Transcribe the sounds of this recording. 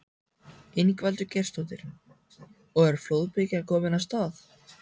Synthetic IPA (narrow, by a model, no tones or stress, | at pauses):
ɪnkvalt̪ʏcɛr̥st̪owt̪ɪɾ̥ | ɔɣɛɾ̥floːwðpɪcɪkʰɔːmɪnast̪aːθ